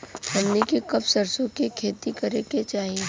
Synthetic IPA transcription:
tɐnnekikɐbsɐɾsõkekʰeːt̪ikɐɾeket͡ʃaːɦie

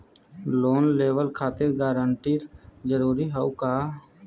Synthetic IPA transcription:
loːnleːʋəlkʰaːt̪ɪɾɡaːɾəɳʈiːɾd͡ʒəɾuːɾiːɦəuːkaː

